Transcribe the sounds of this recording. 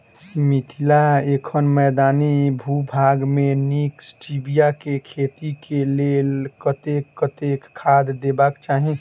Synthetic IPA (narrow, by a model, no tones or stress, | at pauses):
mit̪ʰilaekʰənmɛd̪aːnibʱubʱaɡmeniksʈibijakekʰet̪ikelelkət̪ekːət̪ekʰːad̪d̪ebakt͡ʃaːɦĩ